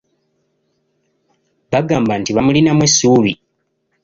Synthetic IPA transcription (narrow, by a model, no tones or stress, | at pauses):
βaɡaːmbantiβamulinamwesuːβi